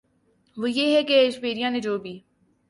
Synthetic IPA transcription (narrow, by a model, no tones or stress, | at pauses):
ʋoːjeːɦɛkeːʃpeːɾijãːned͡ʒoːbʱiː